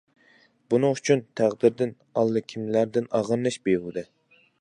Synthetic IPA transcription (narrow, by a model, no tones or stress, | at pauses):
bunɨŋyt͡ʃʰynt̪ʰæʁd̪ɪɾd̪ɪn | ɑlˠːɨkʲʰimlæɾd̪ɪnɑʁɨɾlˠɨʃbeɾud̪ɨ